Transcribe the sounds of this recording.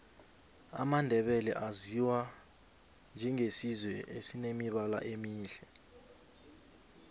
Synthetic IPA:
a̰mandʱɛɓɛlɛ̰ʔaziwa | nd͡ʒʱɛŋesizwɛʔesinemiɓala̰ʔemiːɬɛ

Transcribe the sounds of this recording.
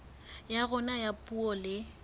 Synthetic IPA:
jaɣʊnajapʼuɔlɪ

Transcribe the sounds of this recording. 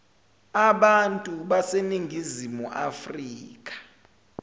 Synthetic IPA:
aɓantʼuɓaseniŋʱizimuʔa̰friːk̬ʼḁ

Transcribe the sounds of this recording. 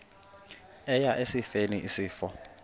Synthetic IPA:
ɛjaʔesifeniʔisiːfɔ

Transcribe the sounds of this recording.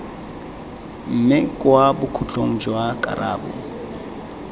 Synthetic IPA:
m̩mɪkʼwabʊkʰut͡ɬʼoŋ̩d͡ʒwakʼa̰ɾa̰ːbɔ̰

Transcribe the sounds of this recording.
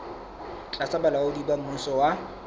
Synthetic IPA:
t͡ɬʼasabalaʊdibam̩usɔwa

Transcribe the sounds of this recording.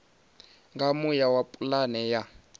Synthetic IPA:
ŋɡamujawapʼulanɛja

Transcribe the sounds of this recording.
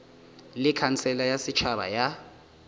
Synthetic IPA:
lɪkʰant͡sʰɛlajasit͡ʃʰaɓa̰ja

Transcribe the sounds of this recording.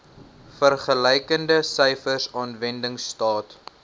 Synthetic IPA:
fərχəlɛjkəndəsəjfərsɑːnvɛndəŋstɑːt

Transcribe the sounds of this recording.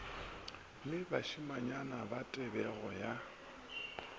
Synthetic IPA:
mɪbaʃimaɲanabatʼɛbɛɣɔja

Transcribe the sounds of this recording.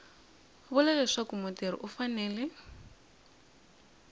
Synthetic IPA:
βulalɛʂakumʊteɾḭʔufanɛːlɛ

